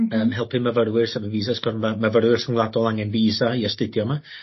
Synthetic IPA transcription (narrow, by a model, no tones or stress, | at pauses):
əmɦɛlˠpʰɨməvəɾwɪrsɛvəviːzasɡ̥ɔrnmaməvəɾwɪr̥səŋwlˠadɔlˠaŋɛnviːzaiəstɪdjɔma